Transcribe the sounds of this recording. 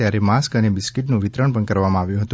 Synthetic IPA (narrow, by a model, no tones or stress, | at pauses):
jaɾemaskənebɪskɪʈnũʋɪt̪ɾəɳpəɳkəɾʋamãaʋjũɦət̪ũ